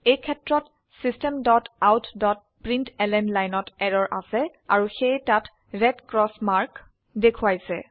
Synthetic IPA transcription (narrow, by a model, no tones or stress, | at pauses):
ejkʰɛtɹɔt | sistɛmdɔtawtʰdɔt̚ | pɹintɛlɛnlajnɔtɛɹɔɹʔasɛ | a̰ɹuxejtat | ɹɛdkɹɔsmaɹk | dekʰuwajsɛ̰